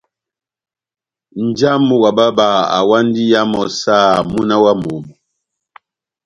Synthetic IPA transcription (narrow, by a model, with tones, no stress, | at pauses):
n̩˨d͡ʒa˦mu˦ɣa˨ba˦ba˨a̰˨wa˦n˦di˦ja˦mɔ˨sa˦˨mu˦na˦wa˦mu˨mu˨